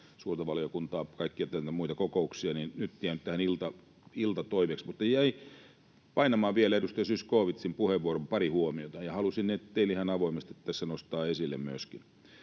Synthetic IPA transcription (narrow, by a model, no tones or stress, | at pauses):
suːrt̪ɑʋɑlijokunt̪ɑːpkɑikːiɑt̪æt̪æmuit̪ɑkokouksiɑninnyt̪t̪iænyt̪æhænilt̪ɑ | ilt̪ɑt̪oiʋeksmut̪nejæi | pɑinɑmɑːʋielæedust̪ɑsyskoːʋit̪simpuheʋʋuoɾompɑrihuomiot̪ɑjɑhɑlusinnet̪t̪eilihɑnɑʋoimest̪iet̪ːt̪æsːænost̪ɑːesilːḛmmyøskin